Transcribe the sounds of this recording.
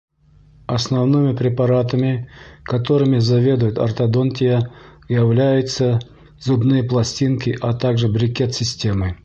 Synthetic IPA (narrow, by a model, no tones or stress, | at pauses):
ɐsnɐvnɨmʲɪpɾʲɪpɐɾat̪əmʲɪkɐt̪o̞ɾɨmʲɪzɐvʲe̞d̪ʊjʊt̪ɐ̰rt̪ɐd̪ont̪ʲɪjə | jəvlʲæjʊt̪sə | zʊbnɨjəplˠɐsʲtʲinkʲɪʔat̪aɡʐɨbɾʲɪkʲe̞t̪sʲɪsʲtʲe̞mɨ